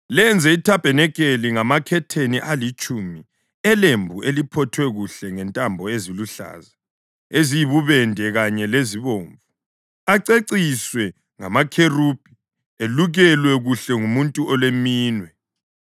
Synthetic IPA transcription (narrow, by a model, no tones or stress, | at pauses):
lɛnd͡zʱɛitʰab̥ʱɛnɛkʼeliŋamakʰɛtʰeniʔalit͡ʃʼumi | ɛlembʱuʔelipʰɔtʰwɛɣuɬɛŋɛntʼambʱɔeziluɬa̰ːza | ezijiβuβɛndʱɛɣaɲɛleziβoːɱvu | aǀeǀiswɛ | ŋa̰makʰerub̥̚ʱʼi̥ | eluɣɛlwɛɣuɬɛŋumuntʼuʔɔlwemiːnwɛ